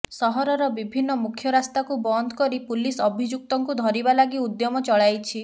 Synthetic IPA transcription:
sɔɦɔɾɔɾɔbibʱinːɔmukʰjɔɾast̪akubɔnd̪ʱɔkɔɾipulisɔbʱid͡ʒuk̚t̪ɔŋkud̪ʱɔɾibalaɡiud̪jɔmɔt͡ʃɔɭajt͡ʃʰi

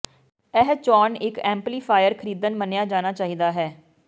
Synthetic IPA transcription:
ɛɦt͡ʃɔːnɪkɛ̃ːmpliːpʰaːjəɾkʰəɾiːd̪ənmənjaːd͡ʒaːnaːt͡ʃaːɦiːd̪aːɦɛː

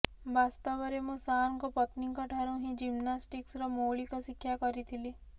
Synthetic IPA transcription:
bast̪ɔʋɔɾemũsaɾŋkɔpɔt̪nikɔʈʰaɾũɦĩd͡ʒimnasʈiksɾɔmoɭikɔsikʰːjakɔɾit̪ʰili

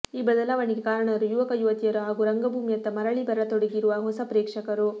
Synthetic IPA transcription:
iːbɐd̪ɐlaːʋɐɳiɡekaːɾɐɳɐɾujuʋɐkɐjuʋɐt̪ijɐɾuɦaːɡuɾɐŋɡɐbʱuːmijɐt̪ːɐmɐɾɐɭibɐɾɐt̪oɽeɡiɾuʋɐɦɔsɐpɾeːkʂɐkɐɾu

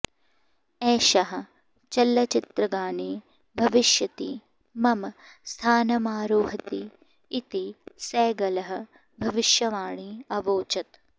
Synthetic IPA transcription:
ɛːʃɐɦɐ̆ | t͡ʃɐlːɐt͡ʃɪt̪ɾɐɡaːniː | bʱɐʋɪʃjɐt̪i | mɐmst̪ʰaːnɐmaːɾoːɦɐt̪iː | t̪isɛːɡɐlɐɦɐ̆ | bʱɐʋɪʃjɐʋaːɳiːɐʋoːt͡ʃɐt̪

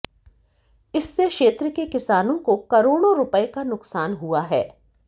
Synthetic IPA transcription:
ɪsːekʃeːt̪ɾəkekɪsaːnõkokɐɾoːɽ̃oɾʊpəekanʊksaːnɦuaɦɛː

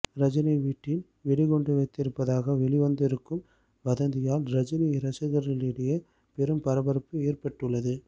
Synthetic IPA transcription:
ɾɐd͡ʒɪnɐʋiːʈːɪn | ʋɛɭɪɣɔɳɖɯʋɐɪt̪ːɪɾɯpːɐðaːɣɐʋɛɭɪʋɐnd̪ɪɾɯkːɯm | ʋɐðɐnd̪ɪjaːlɾɐd͡ʒɪnɐɪɾɐsɐɣɐɾɪlɪɽɐjɐ | pɛɾɯmpɐɾɐbɐɾɐpːɯeːrpɐʈːɯɭːɐðɯ

